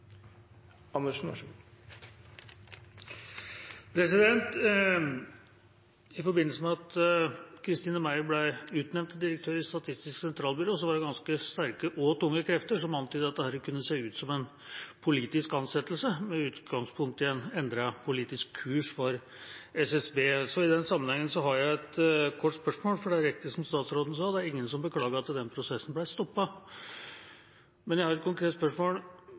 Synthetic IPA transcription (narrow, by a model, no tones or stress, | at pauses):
ɑnəʂnɑʂ | pʰɾɛsɪd̪ɛnt̪ | ɪfɔɾbɪnəls̬əmɛɑt̪ | kʰɾɪst̪iːnəmæɪblæɪʉːt̪nɛʋnt̪d̪ɪɾək̚t̪ʰøːɾɪst̪ɑt̪ʰɪst̪ɪsksɛnt̪ʰɾɑːlˠbʏɾoːs̬ɔʋɑɖɛɡɑnskəst̪æɾkəʔoːt̪ʊŋːəkʰɾɛft̪əʂɔmɑnt̪yːd̪əɑt̪̚d̪ɛhæːɾkʰʉnːəseːʉːt̪sɔmɛn | pʰʊliːt̪ɪskɑnsɛt̪ːlsəmɛʉːt̪ɡɑŋspʰʊŋkt̪ːɪɛnɛnd̪ɾəpʰʊliːt̪ɪskʰːʉːʂfɔɾ | ɛsɛsbeːsɔɪd̪ɛnsɑmːənhɛŋːənsɔɦɑɾjæɪɛt̪kʰɔʈːspœʂmoːlfɔɖɛæɾɛk̚t̪əsɔmst̪ɑːt̪sɾoːd̪n̩sɑːd̪ɛæɾɪŋːənsɔmbəkʰlɑːɡəɾɑt̪̚d̪ɛnpʰɾʊsɛsːn̩blæɪst̪ɔpːɑ | mɛnjæɪhɑɾɛt̪kʰʊŋkʰɾeːt̪spœʂmoːl